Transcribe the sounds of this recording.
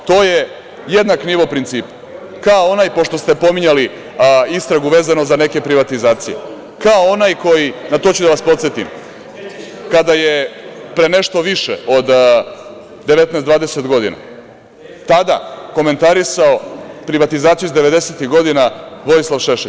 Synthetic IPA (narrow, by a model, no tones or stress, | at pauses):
t̪oːje | jed̪nakniʋopɾint̪siːp | kaoonaːjpo̞ʃt̪o̞st̪e̞po̞miɲali | ist̪ɾaɡuʋe̞ːzanozane̞ke̞pɾiʋat̪izaːt̪sije̞̰ | kaoonajko̞jinat̪o̞ːt͡ɕud̪aʋaspo̞t̪set̪ḭm | kad̪ajepɾene̞ʃt̪o̞ʋiʃḛod̪ | d̪e̞ʋe̞t̪nɛsd̪vaːd̪e̞se̞t̪ɡo̞d̪ḭna̰ | t̪ad̪a̰ko̞me̞nt̪aɾisaopɾiʋat̪izaːt̪sijuizd̪e̞ʋe̞d̪e̞set̪iɣɡo̞d̪inaʋo̞jislˠaʋʃeʃe